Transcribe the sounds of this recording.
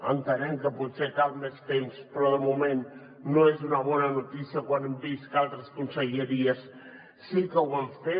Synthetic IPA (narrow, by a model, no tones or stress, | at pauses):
a̰nt̪aɾeŋkəpusek̪almest̪emspɾɔðəmomẽn | noezunaβɔnanot̪isjakwanembiskalt̪ɾəskunseʝeɾiasː | ikawanfe